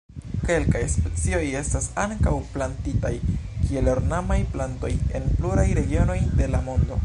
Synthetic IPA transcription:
ke̞lkajspe̞t͡sio̞je̞stasaŋkawplantitajkʰie̞loɾnamajplanto̞je̞npluɾajɾe̞ɡio̞no̞jde̞lamo̞ndo̞̰

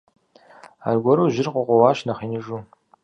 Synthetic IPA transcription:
a̰ːrɡʷɔɾoːʒɪrqʷʊqʷɔwɑːʃnɐχiːnɨʒuː

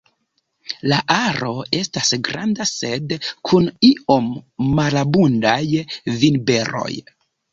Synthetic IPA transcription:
laʔaɾo̞e̞stasɡɾandase̞dkʰunio̞mːalabundajvinbe̞ɾo̞̰j

